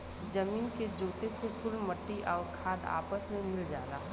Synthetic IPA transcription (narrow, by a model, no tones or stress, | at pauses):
d͡ʒɐmiːnked͡ʒoːt̪esekʊlmɐʈːiʔɔːɾkʰaːd̪a̰ːpəsmẽmɪld͡ʒaːlaː